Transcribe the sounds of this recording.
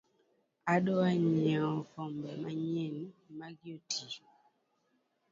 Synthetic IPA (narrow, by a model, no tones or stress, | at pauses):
aɗɔwaɲaɔkɔmbɛmaɲɛnimaɡjotʰi